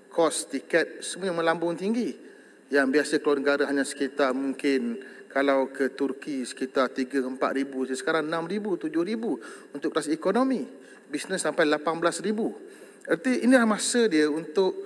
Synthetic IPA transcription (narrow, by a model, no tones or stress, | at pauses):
kʰɔst̪ikət̪̚səmũamə̃lambʊŋt̪iŋɡi | jaŋbiasəkəluanəɡaɾaɦaɲãsə̥kit̪amuŋkɪnkalawkʰət̪urkisə̥kit̪art̪iɡəəmpa̰t̪̚ɾibusəsə̥kaɾaŋənãmɾibut̪ud͡ʒʊhɾibuunt̪ʊʔkɾasikonomĩ | bisnəsːampajlapanbəlasribu | art̪iʔinilahmasədiəunt̪ʊʔ̚